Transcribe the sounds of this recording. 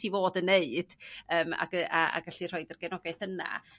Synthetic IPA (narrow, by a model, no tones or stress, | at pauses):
ivoːdəneɨd̥əːma̰ɡəaa̰ɡaɬir̥ɔɨdərɡɛnɔɡajθəna̰